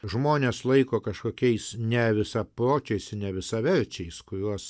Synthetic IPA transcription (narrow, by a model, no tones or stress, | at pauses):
ʒmoːnʲeːslˠɐɪkoːkɐʃkoːkʲɛɪsnʲɛʋʲɪsɐpɾoːt͡ʃʲɛɪsɪnʲɛʋʲɪsɐʋʲɛɾʲt͡ʃʲɛɪskʊɾʲuɔs